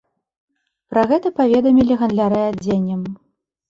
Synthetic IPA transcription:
pɾɐɣɛt̪ɐpavʲɛd̪ɐmʲilʲiɣɐnd̪lʲaɾɨad͡zʲenʲːɐm

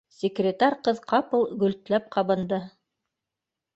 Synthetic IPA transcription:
sʲɪkrʲɪt̪aɾʲqɤðqʰɑpɤlˠɡɵ̆lt̪læp̚qɑβɤ̆nd̪ɤ

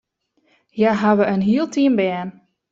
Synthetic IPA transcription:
jaɦaʋəənɦiəlˠtʰiəmbɛːn

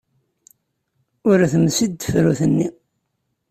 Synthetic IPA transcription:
ʊɾæθəmsid̪fɾuθənːi

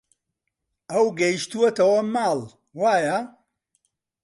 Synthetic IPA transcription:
ɐwɡɐjiʃt̪uɐt̪ɐwɐmaːl | waːjɐ

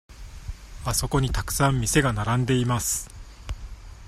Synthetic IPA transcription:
aso̞ko̞ɲ̟it̪akɯ̟̥sãmːʲise̞ɡanaɾãnd̪e̞imasɨ̥

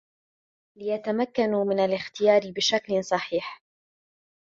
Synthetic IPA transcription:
lɪjat̪amakːanumɪnalɪxt̪ɪjɑːɾɪbɪʃaklsˤɑħiːħ

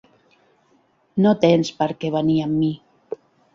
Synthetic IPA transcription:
not̪enspəɾkeβaniamːi

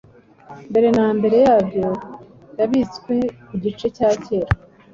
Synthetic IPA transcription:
mbe̞ɾe̞naːmbe̞ɾe̞jaːbjo̞ | jaβit͡skwe̞kuɟit͡ʃe̞caːce̞ːɾa

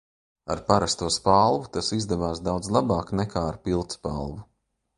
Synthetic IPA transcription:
aɾpaɾast̪uɔspalˠvut̪asizd̪ɛvaːsd̪awd̪zlˠabaːknɛkʰaːaɾpilˠt̪spalˠvu

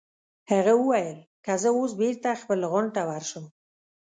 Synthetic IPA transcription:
haɣawəwajəlkazəos̬beɾt̪axpəlɣʊɳʈawaɾʃəm

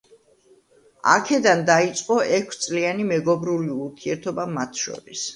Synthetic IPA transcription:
a̰kʰɛd̪and̪ait̪sʼqʼɔʔɛkʷʰst̪sʼlianimɛɡɔbɾuliuɾt̪ʰiɛɾt̪ʰɔbamat̪ʰʃɔ̰ɾis

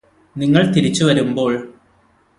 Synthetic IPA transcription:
niŋːɐɭt̪iɾit͡ɕːuʋɐɾumbo̞ːɭ

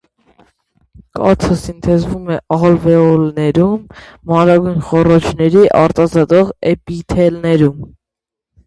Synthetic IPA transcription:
kɑt͡sʰəsint̪ʰɛzvumɛʔɑlvɛɔlnɛɾumːɑɾɑɡujnχɔrɔt͡ʃʰnɛɾiʔɑɾt̪ɑzɑt̪ɔʁɛpit̪ʰɛlnɛɾum

